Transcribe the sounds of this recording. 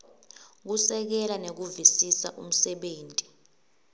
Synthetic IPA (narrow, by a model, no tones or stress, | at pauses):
k̬usɛk̬ɛlanek̬uvisisa̰ʔum̩sɛɓeːntʼi̥